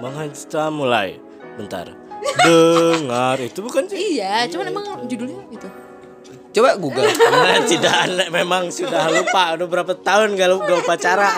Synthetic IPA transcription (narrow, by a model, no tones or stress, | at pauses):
maŋɦaɲt͡ʃi̥t̪amula̰j | bənt̪a̰r | dəŋarit̪ubukand͡ʒijat͡ʃobanemaŋd͡ʒudʊlɲait̪u | t͡ʃobaɡuɡaat̪idaanamemaŋsudahlupaudʊbəɾapat̪aʊnɡaluɡaupat͡ʃaɾa